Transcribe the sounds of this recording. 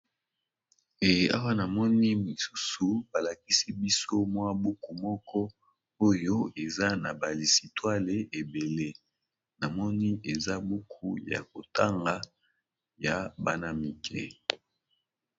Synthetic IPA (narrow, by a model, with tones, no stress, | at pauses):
e˨ja˦wa˦na˨mɔ˦ni˦mi˨su˦su˨ba˨la˨ki˦si˦bi˦so˦mwa˦bu˦ku˨mɔ˦kɔ˦ | o˦jo˦e˨za˦na˨ba˨li˨si˨twa˦le˨ʔe˨be˨le˦ | na˨mɔ˦ni˦e˨za˦bu˦kʰu˦ja̰˨ko˨ta˦ŋɡa˦ | ja˨ba̰˦na˦mi˨kʰɛ˦